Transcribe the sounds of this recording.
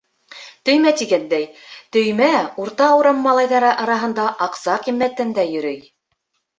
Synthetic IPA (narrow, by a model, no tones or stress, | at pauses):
t̪ɵ̆jmæt̪iɡænd̪æjt̪ɵ̆jmæuɾt̪ɑːwɾɑmːɑlˠɑjðɑɾɤʔɑɾɑɦɤ̆nd̪ɑʔɑqsɑqimːæt̪ːænd̪æjɵ̆ɾɵj